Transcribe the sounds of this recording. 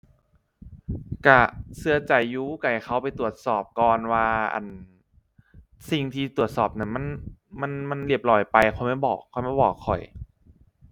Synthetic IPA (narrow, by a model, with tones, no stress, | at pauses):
ka˧˩sɯ˧ɐ˧t͡ɕa˨˩jːuː˧˦˧ka˨˩jxʰa˧˩wpa˨jt̪u˨˩ət̪̚sɔː˨˩p̚kɔː˨˧nwaː˧a̰˨˩n | si˨˩ŋt̪ʰiː˧t̪u˨˩ət̪̚sɔː˨˩p̚na˧˥˩ma˧˥˨nma˧˥˨nma˧˥˨nli˧˩əp̚lɔː˧˩jpa˧jxʰɔ˨˧˩jma˧˥˩jbɔ̰ː˨˩kʰːɔ˨˦jma˧˥˩bɔː˨˩kʰːɔ˨˩j